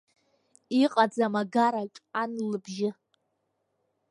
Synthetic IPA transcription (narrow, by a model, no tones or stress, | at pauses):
iqʼad͡zamaɡaɾat͡ʃʼanlɨbʒɪ